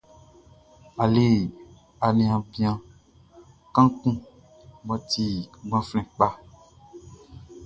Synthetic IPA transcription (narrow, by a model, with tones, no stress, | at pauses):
a˨le˦˨ | a˨lĩ˨ã˨bĩ˦ã˦ | kã˦kũ˦ | bɔ˨ti˦˨ɡ͡bã˦flɛ̃˨k͡pa˦